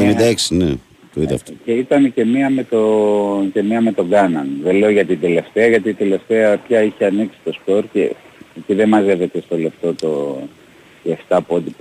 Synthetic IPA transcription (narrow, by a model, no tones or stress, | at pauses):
enind̪ɐeksine | t̪oiðɐ̰ft̪ce̞it̪ɐnece̞miɐmet̪oce̞miɐme̞t̪o̞ɡɐnɐnðele̞o̞ʝɐt̪ind̪e̞le̞ft̪eɐʝɐt̪̬iːt̪e̞le̞ft̪eɐpçɐiçeɐniksi̥t̪o̞spo̞ɾce̞̰eciðe̞mɐze̞ve̞t̪e̞st̪o̞le̞ft̪o̞t̪o̞ | eft̪ɐpo̞d̪ip